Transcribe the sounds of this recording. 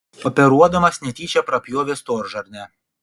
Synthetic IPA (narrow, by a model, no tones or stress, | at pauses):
ɔpʲɛɾuɔd̪ɐmɐsʲnʲɛt̪ʲiːt͡ʃʲɛpɾɐpʲjoːʋʲest̪oːɾʒɐɾʲnʲɛ